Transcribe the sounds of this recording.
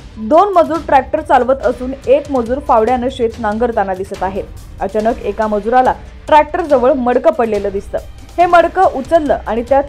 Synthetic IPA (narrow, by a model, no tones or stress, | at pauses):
d̪onməd͡zuːɾʈɾæk̚ʈəɾt͡salʋət̪əsuːnekməd͡zuːɾfaʋɽjanəɕett͡snãŋɡəɾt̪anad̪isət̪aɦet̪ | ət͡ɕanəkekaməd͡zuɾala | ʈɾæk̚ʈəɾd͡zəʋəɭməɽkəpəɽleləːd̪ist̪ə̰ː | heməɽkəʔut͡səlːəːʔaɽ̃it̪ja